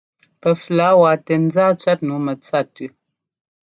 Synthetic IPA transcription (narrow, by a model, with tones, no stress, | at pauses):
pə˨fla˨˦wa˨tɛ˨n˦zaː˦t͡ʃɥa˦t̚nu˨˦mə˨t͡sa˦˨tʉ˦